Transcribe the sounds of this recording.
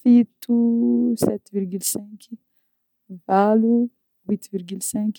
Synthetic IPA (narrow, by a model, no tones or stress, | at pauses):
fit̪usɛt̪viɾɡylsɛ̃k | valu | wit̪viɾɡylsɛ̃k